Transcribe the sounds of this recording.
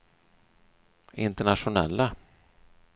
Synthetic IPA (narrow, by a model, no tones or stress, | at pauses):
ɪnt̪əɳaʂʊnɛ̰lːa